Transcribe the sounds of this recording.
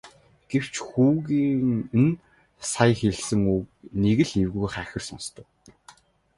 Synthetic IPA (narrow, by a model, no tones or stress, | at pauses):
ɡ̥ew̥t͡ɕxuːɣiːŋn | sajxeɮsɘ̆ŋukneɣɘ̆ɮewɣujχæxʲɘ̆rsɔnst̪ʰə̆w